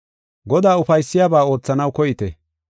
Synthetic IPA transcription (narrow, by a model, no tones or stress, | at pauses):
ɡɔd̪aːʊfɐjsːɪjaːbaːo̞ːt͡sːɐnɐwkɔjɪt̪ɛ